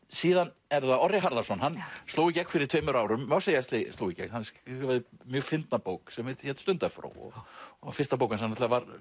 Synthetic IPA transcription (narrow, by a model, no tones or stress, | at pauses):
siːðan | ɛɾðaɔrːɪɦaɾðaɾsɔnɦanːst̪oːwɪcɛknfɪɾɪɾ̥t̪ʰveːmʏɾaːwɾʏmːawseːjast̪lɪst̪oːwjɪcɛ̰knhansvɛɾðɪmjœːɣfɪnt̪napoːwksɛmheːt̪ɪ̥çɛt̪st̪ʏnt̪afɾa̰ːwɔ̰fɪr̥st̪ap̬oːwkansɛmanat̪laavaɾ